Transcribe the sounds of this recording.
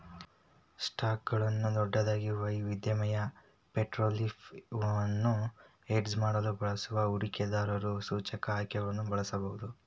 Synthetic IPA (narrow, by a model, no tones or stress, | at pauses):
sʈaːkɡɐɭɐnːud̪ɔɖːɐd̪aːɡiɾuʋɐiːʋid̪jɐmɐjɐ | peʈɾoːlifɐnːu | eɖsmaːɽɐlubɐɭɐsuʋɐuɾikɛd̪aːɾɐɾusuːt͡ʃɐkɐaːjkɛɡɐɭɐnːubɐɭɐsɐbɐɦud̪u